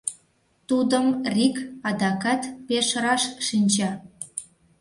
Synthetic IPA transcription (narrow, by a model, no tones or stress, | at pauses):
t̪ud̪əmrikɑd̪ɑkɑt̪peʃɾɑʃʃinʲt͡ɕɑ